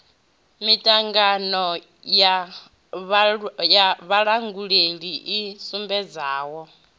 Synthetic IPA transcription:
mitʼaŋɡanɔ | ja | βjaβaɺaŋɡuɺeɺiʔːsumbɛd͡zaːwɔ

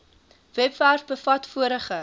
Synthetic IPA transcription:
vɛpværfbəfɐtfuəɾəχə

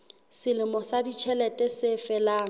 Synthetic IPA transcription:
sɪlɪmɔsadit͡ʃʰɛlɛtʼɛsɪfɛlaːŋ̩

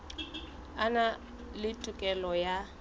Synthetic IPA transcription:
ana | lɪtʼʊkʼɛlɔja

